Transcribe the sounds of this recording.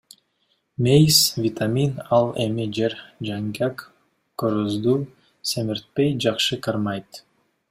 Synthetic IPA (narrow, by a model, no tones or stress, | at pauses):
mʲejsvʲit̪ʰamʲinɑlˠemid͡ʒeɾd͡ʒaŋɡʲak | kːoɾozd̪u | semiɾt̪̚pejd͡ʒɑqʃɯkarmɑjt̪